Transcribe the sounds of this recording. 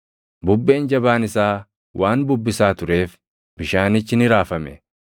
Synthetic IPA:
bʊbːeːnd͡ʒɐbaːnɪsaː | wʔaːnbʊbːɪsaːt̪ʊɾe̞ːf | b̥ɪʃaːnɪt͡ʃːɪnɪɾaːfɐmɛ

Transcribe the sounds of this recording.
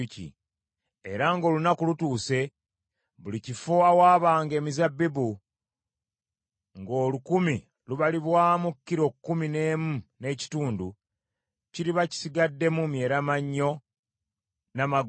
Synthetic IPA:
cḭ | eɾaŋɡo̞ːlunakulutuːse̞ | βulicifoawaːβaːŋɡe̞ːmizabːibu | ŋɡo̞ːlukumi | luβaliβwaːmukːiɾo̞kːumine̞ːmune̞ːci̥tuːndu | ciɾiβaci̥siɡadːe̞mumje̞ːɾamaɲːo̞ | namaɡ

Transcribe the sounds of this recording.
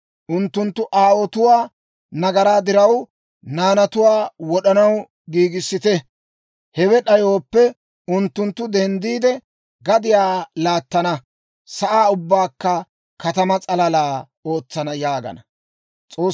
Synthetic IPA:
ʔʊnt̪ːʊnt̪ːʊʔaːwɔt̪ʊwaː | nɐɡɐɾaːd̪ɪɾɐw | naːnɐt̪ʊwaːwɔɗɐnɐw | ɡiːɡɪsːɪt̪ɛ | hɛwɛɗɐjo̞ːpːɛ | ʊnt̪ːʊnt̪ːʊd̪ɛnd̪iːd̪ɛ | ɡɐd̪ɪjaːlaːt̪ːɐnɐ | sɐʔaːʊbːaːkːɐ | kɐt̪ɐmɐt͡sʼɐlɐlaː | o̞ːt͡sːɐnɐjaːɡɐ̰nɐ | t͡sʼo̞ː

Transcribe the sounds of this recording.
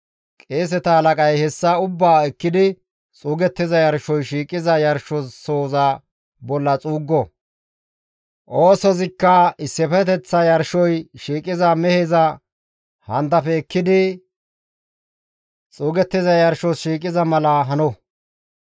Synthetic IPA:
kʼeːs̬ɛt̪ɐhɐlɐkʼɐjhɛsːɐʊbːaːɛkːɪd̪ɪ | t͡sʼuːɡɛt̪ːɪzɐjɐɾʃɔjʃiːkʼɪzɐjɐɾʃɔssoːzɐ | bɔlːɐt͡sʼuːɡːɔ | ʔo̞ːsɔzɪkːɐɪsːɪpɛt̪ɛt͡sːɐjɐɾʃɔjʃiːkʼɪzɐmɛhezɐ | hɐnt̪ɐfɛːkːɪd̪ɪ | t͡sʼuːɡɛt̪ːɪzɐjɐɾʃɔsʃiːkʼɪzɐmɐlɐɦɐnɔ

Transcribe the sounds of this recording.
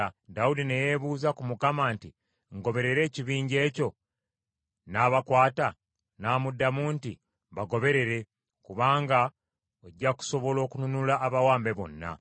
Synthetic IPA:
daudinejeβuːzakumukamaːnti | ŋɡo̞βe̞ɾe̞ɾe̞ːciβiːɲɟe̞ːco̞ | naːβakwaːta | naːmudːamuːnti | βaɡo̞βe̞ɾe̞ɾe̞ | kuβaːŋɡa | oɟːaku̥so̞βo̞lo̞ːkununulaːβawaːmbe̞βo̞̰nːa̰

